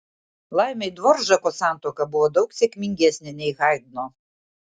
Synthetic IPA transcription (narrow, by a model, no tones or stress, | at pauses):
lˠajmɛjd̪vɔrʒɐkɔsant̪ɔkɐbuɔd̪owksʲɛkmʲiŋʲɡʲɛsʲnʲɛnʲɛjɣajd̪̚nɔ